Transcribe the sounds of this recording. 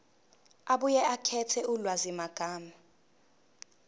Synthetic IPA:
aɓujɛakʰɛtʰɛulwazimaɡ̥ʱaːma

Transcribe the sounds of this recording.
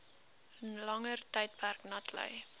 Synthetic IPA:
ənlɐŋərtɛjt̚pærknɐtʰlœ̰j

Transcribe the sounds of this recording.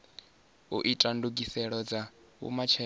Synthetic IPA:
uʔitʼanduɡʼisɛɺɔd͡za | ṵmat͡ʃʰɛ

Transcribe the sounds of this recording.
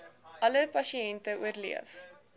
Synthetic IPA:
ʔɐləpɐsiɛntəuərlḭəf

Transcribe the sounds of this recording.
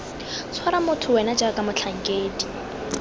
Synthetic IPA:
t͡sʰwaɾamʊtʰʊwɛnad͡ʒakʼamʊt͡ɬʰaŋ̩kʼeːdi

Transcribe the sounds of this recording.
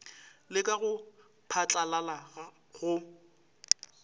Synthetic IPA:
lɪkʼaɣʊ | pʰat͡ɬʼalalaɣa | ɣʊ

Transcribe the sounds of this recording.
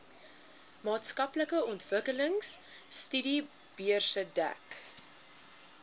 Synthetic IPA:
mɑːtskɐpləkəɔntvəkələŋsstydi | b̥iərsədæ̰k

